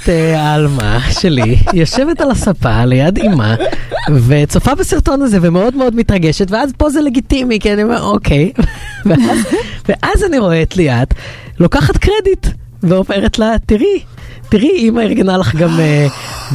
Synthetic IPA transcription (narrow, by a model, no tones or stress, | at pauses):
tealma̰ʃe̞lijoʃe̞ve̞talasapa̰lejadima̰vet͡sofabesiʁto̞nazevemeo̞dmeo̞dmitʁɐɡe̞ʃetveazpo̞zele̞ɡitimikianiomeʁokʰe̞jvveazveʔazaniʁo̞et̪lejat | lo̞kaχatkʁedit | veove̞ʁetlatiʁi | tiʁiimaiʁɡenalaχɡame